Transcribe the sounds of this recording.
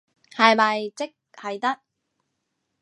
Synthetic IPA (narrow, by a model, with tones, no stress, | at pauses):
hɐ˨jmɐ˨jt͡sɪ˥k̚hɐ˨jt̪ɐ˥k̚